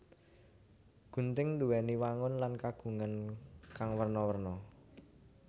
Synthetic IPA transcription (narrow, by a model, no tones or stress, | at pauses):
ɡ̥ṳnt̪ɪŋnd̪ṳwɛniwaŋʊnlankaɡ̥ṳŋankaŋwərnɔwərnɔ